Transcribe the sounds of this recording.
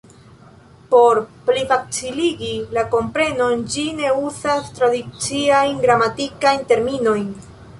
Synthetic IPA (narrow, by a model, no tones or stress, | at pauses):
po̞ɾplifat͡siliɡilako̞mpɾe̞no̞nd͡ʒine̞uzastɾadit͡siajnɡɾamatikajnte̞ɾmino̞jn